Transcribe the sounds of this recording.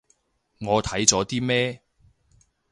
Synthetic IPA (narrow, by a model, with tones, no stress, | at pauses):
ŋɔː˨˧t̪ʰɐ˨˥jt͡sɔː˨˥t̪iː˥mɛː˥